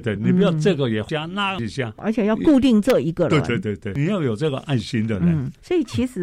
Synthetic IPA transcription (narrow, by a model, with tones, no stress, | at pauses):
t̪we˥˩ɪni˨˩pu˧jɑ˥˧ʊʈ͡ʂɤ˥˩ɡə˩jɛ˨˩t͡ɕja˥na˥˧ə˨i˨˩ɕja˥˩ə̰˧˥t͡ɕʰɛ˨˩jɑ˥˧ku˥˧t̪̬i˥˧ŋʈ͡ʂɤ˥˩i˧˥ɡə˧we˥˧ɪt̪we˥˧ɪt̪we˥˧ɪt̪we˥˩ɪni˨˩jɑ˥˩ʊjo˨˩ʊʈ͡ʂɤ˥˩ɡə˨ʔa˥˩ɪɕi˥nd̪ə˨ɻə̰˦˥˦swɔ˧˥i˨˩t͡ɕʰi˧˥ʂɻ̩˨˩˦